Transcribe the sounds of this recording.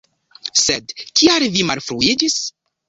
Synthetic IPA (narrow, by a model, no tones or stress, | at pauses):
sed̪kiaɾvimalfɾuid͡ʒis